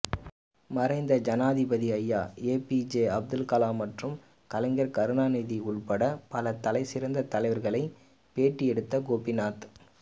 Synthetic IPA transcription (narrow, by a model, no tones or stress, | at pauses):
mɐrɐɪnd̪ɐd͡ʒɐnaːðɪbɐðiɐjːaːeːpid͡ʒeːɐb̚d̪ɯlkɐlaːmɐʈrɯm | kɐlɐɪŋɡɐɾkɐɾɯnaːniːðiʊɭpɐɽɐpɐlɐt̪ɐlɐɪsɪɾɐnd̪ɐt̪ɐlɐɪʋɐɾɣɐɭɐɪ | peːʈːiɛɽɯt̪ːɐɡoːpɪnaːt̪